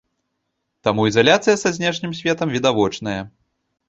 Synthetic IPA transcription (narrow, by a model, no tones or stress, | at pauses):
t̪amuizalʲat̪sɨjɐsazʲnʲɛʂnʲimsʲvʲɛt̪ɐmvʲid̪avɔt͡ʂn̪ɐjɐ